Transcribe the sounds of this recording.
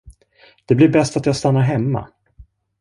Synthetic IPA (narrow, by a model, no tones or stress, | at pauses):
d̪̥ɛblɪɾbɛst̪at̪jaːst̪anːaɾɦɛmːa̰